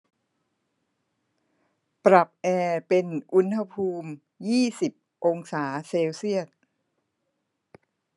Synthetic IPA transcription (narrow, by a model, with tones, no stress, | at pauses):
pɾa˨˩p̚ʔɛː˧pe˧nʔu˦˥nha˧pʰuː˧m | jiː˥˩si˨˩p̚ | ʔo˧ŋsaː˩˦seː˧wsi˥˩ət̪̚